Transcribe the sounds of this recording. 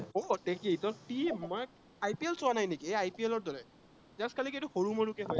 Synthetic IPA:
odekijtɔtimːɔj | ajpielsoanajnekiajpielɔɹdɔɹɛ | zaskaliketuxoɹumoɹukɛɦoj

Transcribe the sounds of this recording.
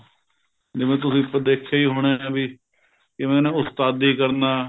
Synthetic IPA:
d͡ʒɪmẽːt̪ʊsĩːpəd̪eːkʰːeiːɦoːɽ̃ẽːãːbiː | kɪmɛ̃ːnẽʊst̪aːd̪iːkəɾnaː

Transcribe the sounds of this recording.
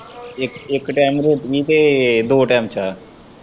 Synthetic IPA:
ɪkɪkʈaːmɾeːt̪kiːt̪eːd̪oːʈɛːmt͡ʃaː

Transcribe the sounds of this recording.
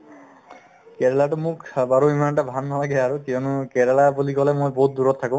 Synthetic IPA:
keɾelaʈumũkbaɾuimanʈabʱanːɔlaɡeaɾukiɔnukeɾalabulikɔlemujbɔɦut̪̚d̪uɾɔt̪ʰːakũ

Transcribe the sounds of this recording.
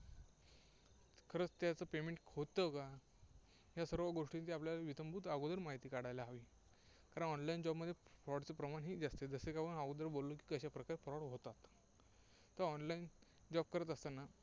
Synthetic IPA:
kʰəɾət͡st̪jat͡səpemeɳʈhot̪ːəka | ɦjasəɾʋəɡoʂʈint̪iapljalaʋit̪əmbuːt̪aɡod̪əɾmaɦit̪iːkaɽ̤ajlaɦaʋiː | kaɾəɳɔnlaind͡ʑɔbməd̪ʱjepɾɔɽt͡səpɾəmaɳɦiːd͡zast̪ed͡zəsekapənaɡod̪əɾbolːok̬ikəɕapɾəkaɾepɾɔɽɦot̪at̪ | t̪ːəɾɔnlain | d͡ʑɔb̚kəɾət̪əst̪ana

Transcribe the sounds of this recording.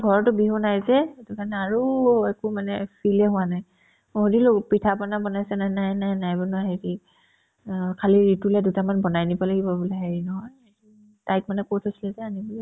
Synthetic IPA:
ɡʱɔɹɔɹtʊbiɦunajzɛetukanɛaɹuɛkumanɛpʰilɛɦʊwanaj | ɦodilopitʰapɔnabɔnajsɛnajnajnajnajbɔnuaɦeɹi | kʰaliɹitulɛdutamanbɔnajnibɔlaɡibɔbulaɦeɹinɔɦɔjei | tajk̚manɛkotʰojsilɛzɛanibɛ

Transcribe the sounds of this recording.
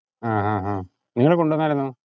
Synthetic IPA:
aːɦaːɦaː | niŋːɐɭekoɳɖuʋonːaːlenːu

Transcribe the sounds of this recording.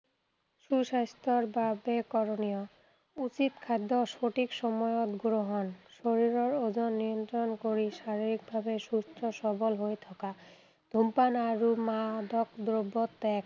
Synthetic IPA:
ʃuʃast̪oɾbabekɔɾonijo | ut͡ɕit̪kʰad̪ːoʃoʈikʃɔmɔjot̪ɡɾoɦonʃoɾiɾoɾod͡ʑonːiont̪ɾonkoɾiʃaɾiɾik̚bʱabeʃusʈʰoʃɔbolɦojt̪ʰɔka | d̪ʱumpanaɾumad̪ɔkd̪ɾobːot̪ːɛk

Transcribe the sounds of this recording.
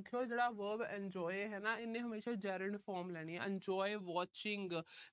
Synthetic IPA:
kʰijod͡ʒeːɽaʋəːbɛ̃nd͡ʒɔːjɦɛnaɪnːẽɦəmeːʃad͡ʒɛːɾə̃ɳʈfɔːɾmlɛːɽ̃iɦɛʔɛ̃ɲd͡ʒɔːjʋɔːt͡ʃɪ̃ŋɡ

